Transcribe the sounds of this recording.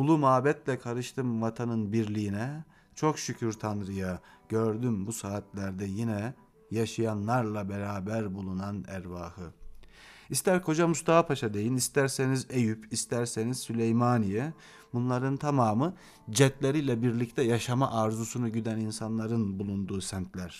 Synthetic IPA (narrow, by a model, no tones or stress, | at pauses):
ulˠumaːbɛt̪lʲɛkʰaɾɯʃt̪ʰɯmvat̪ʰanɯnbiɾlʲijinɛ | t͡ʃʰo̞kʃycʰyɾt̪ʰanɾɯja | ɟ̥øɾd̪ymbusaːt̪lʲæɾd̪ɛjinɛ | jaʃajanlˠaɾlˠabeɾaːbæɾbulˠunanæɾvaːhɯ | ist̪ʰæɾkʰo̞d͡ʒamust̪ʰaapʰaʃad̪e̞jinist̪ʰæɾse̞nizejypʰist̪ʰæɾse̞nizsylʲejmanijɛ | bunlˠaɾɯnt̪ʰamaːmɯ | d͡ʒɛt̪lʲeɾijlʲɛbiɾlʲict̪ʰɛjaʃamaʔːɾzusunuɟyd̪æninsanlˠaɾɯnbulˠund̪uːsænt̪ʰlʲæɾ̥